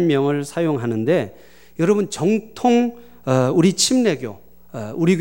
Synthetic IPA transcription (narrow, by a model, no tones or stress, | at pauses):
mjʌŋɯɭsʰajoŋɦanɯnde̞ | jʌɾʌbɯnt͡ɕʌŋtʰoŋ | ʌuɾit͡ɕʰimne̞ɡjo̰ | uɾiɡ